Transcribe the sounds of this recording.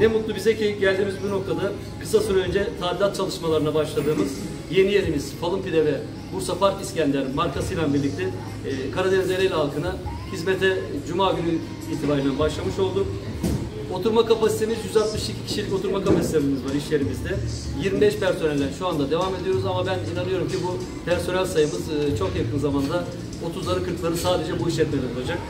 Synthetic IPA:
nɛmut̪lˠubizɛcʰiɟælʲd̪iːmizbino̞k̚t̪ʰad̪a | kʰɯ̥sasoɾaø̞nd͡ʒɛt̪ʰaːlʲilat̪̚t͡ʃʰalˠɯʃmalˠaɾɯnˠabaʃlˠad̪ɯːmɯz | je̞nijenimiz̥fʰalˠɯmpid̪ɛvɛ | buɾsapʰaɾkiscænd̪lʲɛɾinmaɾkʰasɯjlˠanbiɾlʲic̚t̪ʰʲɛː | kʰaɾad̪ɛnzlʲeɾɛjlʲɛalˠkʰɯna | hizmet̪ʰɛd͡ʒumaːɡyny | iːt̪ʰibaːɾinɛanbaʃlˠamɯʃo̞lˠd̪u | o̞t̪ʰuɾmakapasit̪ʰe̞mizjyzalˠt̪mɯʃicʰi̥cʰiʃilʲico̞t̪ʰuɾmakapasi̥t̪ʰebimizvaɾiʃlʲe̞ɾimizd̪ɛ | jiɾmibɛʃpæɾso̞nɛlʲːænʃuand̪ad̪e̞vaːme̞d̪ijo̞ɾuzamabæninanɯjo̞ɾumcibu | pʰæɾso̞nælʲsajɯmɯzt͡ʃʰo̞kjakʰɯnzamand̪a | o̞t̪ʰuzˠaɾɯkʰɯɾplˠaɾɯsaːd̪e̞d͡ʒɛbuiʃʲɛt̪̚menʲizolˠad͡ʒak̚

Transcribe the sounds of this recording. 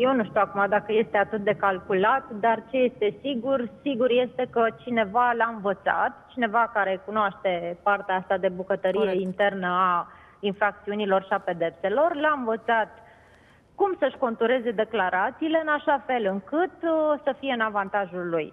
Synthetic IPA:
je̞wnuʃt̪iuakumad̪akəje̞st̪e̞at̪ɨt̪̚d̪e̞kalkulat̪d̪art͡ʃe̞je̞st̪e̞siɡursiɡuɾje̞st̪e̞kət͡ʃine̞valaɨnvət̪sa̰t̪t͡ʃine̞vakaɾe̞kunoaʃt̪e̞part̪eaast̪ad̪e̞bukət̪əɾijeint̪e̞rnəa | infɾak̚t̪siunilo̞rʃiape̞d̪e̞pse̞lo̞rleaɨnvət̪sat̪ | kumsəʃko̞nt̪uɾe̞ze̞d̪e̞klaɾat̪siːle̞ɨnaʃafe̞lɨŋkɨt̪səfije̞ɨnavant̪aʒulːuj

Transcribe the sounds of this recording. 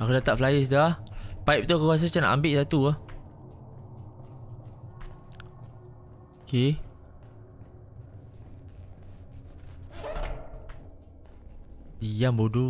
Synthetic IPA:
akudat̪aʔflajis̬idapaip̚t̪ukəas̬at͡ʃana̰ʔambɪʔsat̪uah | ke | ijambodu

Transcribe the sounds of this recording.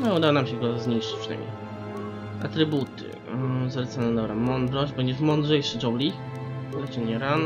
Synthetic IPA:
nɔud̪awɔnamɕɛɡɔazɲijʂɘ̥t͡ɕpʂɨna̰jmɲḛj | a̰t̪ɾɘbut̪ɨ̰ | zalɛt̪sanɛd̪ɔbɾamɔnd̪ɾɔʑd͡ʑbɛɲd͡ʑɛʂmɔnd̪ʐɛjʂɘd͡ʒɔwlʲi | lɛt͡ʂɛɲɛɾan

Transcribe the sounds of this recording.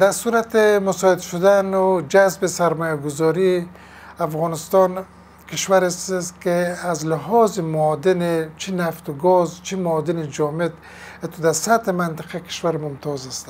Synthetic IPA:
d̪̥aɾsuɾat̪emʊsɔɪd̪ʃʊd̪anʊd͡ʒazbesaɾmɔjaɡʊzɔɾi | afɣɔnɪst̪ɔn | kɪʃwaɾesskeazlɪɦɔzɪmʊːd̪ɪnet͡ʃʰinaft̪uɡɔzt͡ʃʰimʊɔd̪ɪnid͡ʒɔmed̪ | et̪ud̪aɾsat̪emant̪ɪ̥qʰakɪ̥ʃwaɾmʊmt̪ʰɔzast̪

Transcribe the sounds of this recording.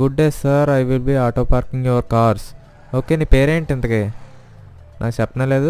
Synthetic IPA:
ɡuɖnesːɐɾajʋilbiːaːʈoːpaːɾkĩŋjoɾkaːɾs | oːkeːniːpeːɾeːɳʈint̪ɐkeː | nʔaːkut͡ʃɛpːɐnɐleːd̪u

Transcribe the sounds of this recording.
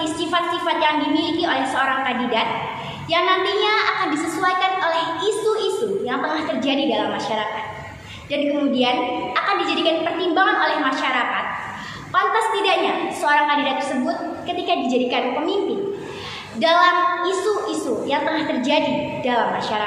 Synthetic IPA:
isifat̪̚sifat̪̚jaŋdimilikiolɛhsəoɾaŋkandidat̪̚ | jaŋnant̪iɲaakandisəsuajkanolɛhisuisujaŋt̪əŋaht̪ərd͡ʒadidalamːaʃaɾakat̪̚ | dankəmudianakandid͡ʒadikanpərt̪imbaŋanolɛhmaʃaɾakat̪̚ | pant̪ast̪idaʔɲasəoɾaŋkandidat̪ːərsəbʊt̪̚kət̪ikadid͡ʒadikanpəmimpɪn | dalamisuʔisujaŋt̪əŋaht̪ərd͡ʒadidalamːaʃaɾa

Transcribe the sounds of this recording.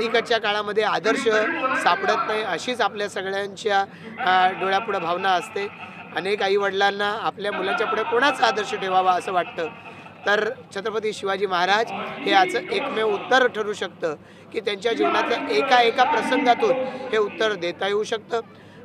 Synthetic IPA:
ikət͡ɕjakaɭaməd̪ʱːjead̪əɾɕəsapɽət̪naɦiəɕiːt͡sapljasəɡɭjaɲt͡ɕja | ɖoɭjapuɽəbʱaʋnaəst̪e | ənekaiːʋəɽlanːaːpljamulaɲt͡ɕjapuɽekoɽ̃at͡səad̪əɾɕəʈʰeʋaʋaəsəːʋaʈ̚t̪əːt̪əɾt͡ɕʰət̪ɾəpət̪̬iːɕiʋad͡ʑiːməɦaɾad͡zɦeat͡səʔekmeut̪ːəɾʈʰəɾuːɕək̚t̪əː | kiːt̪jaɲt͡ɕjad͡ʑiʋnat̪laʔekaekapɾəsəŋɡʱat̪uːnɦeut̪ːəɾd̪et̪əjeuɕək̚t̪əː

